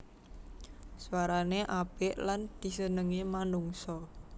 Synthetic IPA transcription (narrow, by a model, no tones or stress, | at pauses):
swaɾaneʔab̥ɛʔland̪̥i̤sənəŋimanuŋsɔ